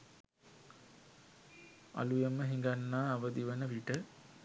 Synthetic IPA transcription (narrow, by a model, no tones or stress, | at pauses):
a̰lujəməɦiŋɡanːaːʋəd̪iʋənəʋiʈə